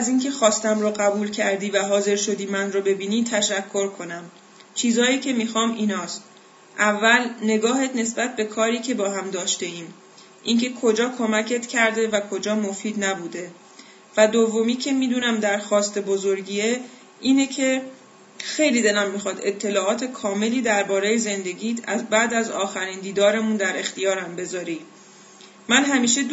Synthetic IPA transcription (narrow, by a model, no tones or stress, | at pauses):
æziːncʰe̞xɒːst̪æmɾoɣæbuːlcʰæɾd̪iːvæɦɒːze̞ɾʃo̞d̪iːmænɾobe̞biːniːt̪ʰæʃækʰːo̞ɾkʰo̞næm | t͡ʃʰiːzhɒːiːcʰe̞mixɒːmʔiːnɒːst̪̚ | ʔævːælne̞ɡɒːɦet̪ne̞sbæt̪̚be̞kʰɒːɾiːcʰe̞bɒːɦæmd̪ɒːʃt̪e̞iːm | ʔincʰe̞kʰo̞d͡ʒɒːkʰo̞mæcʰe̞t̪cʰæɾd̪e̞vækʰo̞d͡ʒɒːmo̞fiːd̪næbuːd̪e̞ | væd̪ovːomiːcʰe̞miːd̪uːnæmd̪æɾxɒːst̪e̞bozoɾɟie | iːnecʰe̞ | xe̞jliːd̪e̞læmːixɒːd̪e̞t̪ʰːe̞lɒːɒːt̪ʰe̞kʰɒːme̞liːd̪æɾbɒːɾejeze̞nd̪e̞ɡiːt̪ʰæzbæd̪æzɒːxæɾiːnd̪iːd̪ɒːɾemund̪æɾe̞xt̪ijɒːɾæmbe̞zɒːɾiː | mænɦæmiːʃe